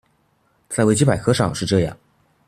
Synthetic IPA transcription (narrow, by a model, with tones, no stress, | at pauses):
t͡sa˥ɪwt͡ɕi˥pa˨˩ɪkʰxʰɤ˧˥ʂɑ˥˧ŋʂɻ̩˥˧ʈ͡ʂɤ˥˧jɑ̰˥˩ŋ